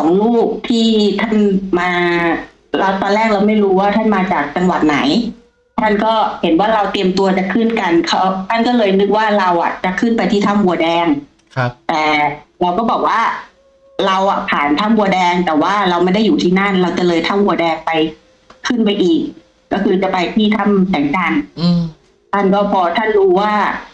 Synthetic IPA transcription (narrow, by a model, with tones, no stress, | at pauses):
sɔː˩˦ŋluː˥˩k̚t̪ʰiː˥˩t̪ʰa˥˩nmaː˧ | la˧˩wt̪ɔː˧nlɛː˥˩k̚la˧wma˥˩jɾuː˦˥waː˥˩t̪ʰa˥˩nmaː˧t͡ɕaː˨˩k̚t͡ɕa˧ŋwa˨˩t̪̚na˩˦j | t̪ʰa˥˩nkɔː˥˩he˩˦nwaː˥˩ɾa˧wt̪i˧əmt̪u˧ɐt͡ɕa˨˩kʰɯ˥˩nka˧nkʰa˦˥wt̪ʰa˥˩nkɔː˥˩lɤː˧jnɯ˦˥k̚waː˥˩ɾa˧wʔa̰˨˩t͡ɕa˨˩kʰːɯ˥˩npa˧jt̪ʰiː˥˩a˥˩mwu˧ədɛː˧ŋ | t̪ɛː˨˩ɾa˧wkɔː˥˩bɔː˨˩k̚waː˥˩ | ɾa˧wʔa˨˩pʰaː˨˩nt̪ʰa˥˩mwu˧ɐdɛː˧ŋt̪ɛː˨˩waː˥˩ɾa˧wma˥˩jda˥˩jːuː˨˩t̪ʰiː˥˩na˥˩nɾa˧wt͡ɕa˨˩lɤː˧jt̪ʰa˥˩mwu˧dɛː˧ŋpa˧j | kʰɯ˥˩npa˧jʔiː˨˩kː | ɔː˥˩kʰɯː˧t͡ɕa˨˩pa˧jt̪ʰiː˥˩t̪ʰa˥˩msɛː˨˩˦ŋt͡ɕa˧n | t̪ʰa˥˩nkɔː˥˩pʰɔː˧t̪ʰa˥˩nɾuː˧˥waː˥˩